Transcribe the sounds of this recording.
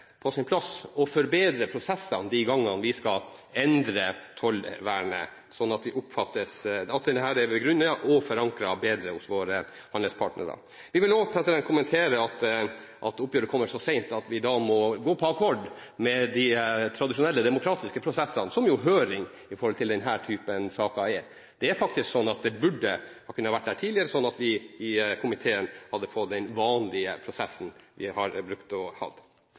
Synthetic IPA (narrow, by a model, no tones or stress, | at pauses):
pʰɔsɪnpʰlɑsɔfɔɾbeːd̪ɾəpʰɾʊsɛsːənd̪iɡɑŋːɑnʋɪskɑ | ɛnd̪ɾət̪ʰɔlʋæːɳə̰ | sɔnːɑt̪ʋɪʔʊpfɑt̪ːəsɑt̪d̪ɛhæːɖɛʋɛɡɾʉnːɑʔɔfɔɾɑŋkɾɑbeːd̪ɾəhʊsʋoːɾə | hɑnəspʰɑ̰ːʈnə̰ɾɑ̰ | ʋɪʋɪloːpʰɾɛsɪd̪ɛnt̪̚kʰʊmɛnt̪ʰeːɾəɑt̪ | ʔɑt̪ʊpːjøːɾəkʰɔmːəʂɔsɛɪnt̪ɑt̪ʋɪd̪ɑːmɔɡoːpʰɔɑkʰɔɖ | mɛd̪ɪt̪ʰɾɑd̪ɪʂʊnɛlːəd̪ɛmʊkʰɾɑːt̪ɪskəpʰɾʊsɛsːɑnsɔmjʊɦøːɾɪŋ | ɪfɔɾhɔlt̪ʰɪld̪ɛnɦæːʈʰyːpənsɑːkɑɛɾ | d̪̥ɛæɾfɑk̚t̪ɪsksɔnːɑt̪̚d̪ɛbʉɖːəhkʰʉnːəhɑʋæʈ̚ːd̪æːʈʰiːlɪəɾəsɔnːɑt̪ʋɪɪkʰʊmɪt̪ʰeːənhɑd̪ːəfɔt̪ːd̪ɛnʋɑːnlɪəpʰɾʊsɛsːn̩ʋɪ̰hɑɾbɾʉkt̪ɔhɑ̰d̪